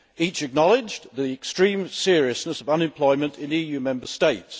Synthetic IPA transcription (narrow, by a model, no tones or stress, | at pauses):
iˑt͡ʃɨk̚nɒlɪd͡ʒðiɛkstɹ̥ĩmsɪəɹiəsnəsəvʌ̃nɪ̃mpʰl̥ɔɪmə̃ntʰɪ̃niːjʉːmɛ̃mbəsteɪts